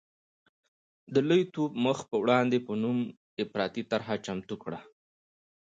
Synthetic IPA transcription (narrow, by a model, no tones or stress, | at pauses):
d̪əlojt̪obməxpəwɽɑnd̪epənum | ɪfɾɑt̪it̪aɾɦat͡ʃamt̪ukɽa